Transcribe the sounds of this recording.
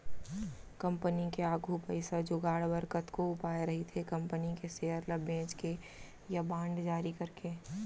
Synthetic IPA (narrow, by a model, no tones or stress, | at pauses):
kɐ̃mpənikeaːɡʱupəɪsad͡ʒʊɡaːɽbəɾkət̪koʊpaːeɾɐɦit̪ʰekɐ̃mpənikeseːəɾləbẽːt͡ʃke | jabãːɳɖd͡ʒaːɾikɐɾkeː